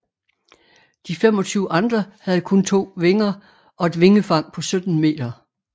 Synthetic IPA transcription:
d̥ifem̰ɒ̽t͡sʰyːʊʔɑ̈nd̥ʁɐhæð̩ˠkʰɔ̽nt͡sʰo̝̰ːʋe̝ŋɐ | ʔɒ̽e̝d̥ʋe̝ŋəfɑ̈ŋ̰pʰɒ̽sød̥n̩me̝̰ːd̥ɐ

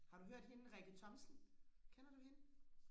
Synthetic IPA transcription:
hɑ̈ɾuɦøɐ̰d̥he̝nəʁɛɡ̥ət͡sʰɒ̽msn̩kʰenɐd̥uhenə

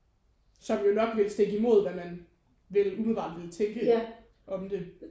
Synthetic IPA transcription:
sɒ̽mjo̝nɒ̽ɡ̥ʋe̝lsd̥e̝ɡ̥əimo̝ð̞̰ˠʋæmæn | ʋelumeʋɑ̰̈ːd̥ʋelt͡sʰeŋ̰ɡ̥ə | ʔɒ̽md̥e̝

